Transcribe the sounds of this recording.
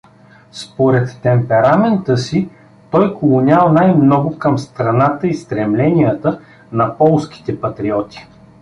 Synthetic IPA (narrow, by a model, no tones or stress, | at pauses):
spoɾɛt̪ːɛmpɛɾamɛnt̪əsi | t̪ɔjkolˠʊnʲalˠnajmnɔɡʊkɐmst̪ɾɐnat̪əist̪ɾɛmlɛnijət̪ə | nɐpɔlˠskʲi̥t̪ɛpɐt̪ɾiɔt̪i̥